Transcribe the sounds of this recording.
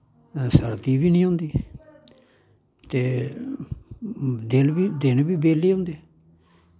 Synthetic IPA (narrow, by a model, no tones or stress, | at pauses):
səɾt̪iːbiːnĩːɦʊ̃ːnd̪iː | t̪eː | d̪ɪlbiːd̪ɪnbiːbeːleːɦʊ̃ːnd̪eː